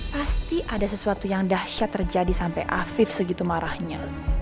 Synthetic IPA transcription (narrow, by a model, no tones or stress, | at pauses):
past̪iʔadasəsuat̪ujaŋdahʃat̪ːərd͡ʒadisampa̰jʔa̰fɪfsəɡit̪umaɾahɲa